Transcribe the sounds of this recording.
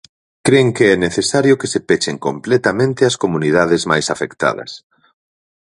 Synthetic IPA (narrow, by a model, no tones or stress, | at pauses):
kɾeŋkeɛneθesaɾjʊkesepet͡ʃeŋkomplɛt̪amẽnt̪ɪɐskomunið̞aðɪzmajsafekt̪a̰ðɐ̰s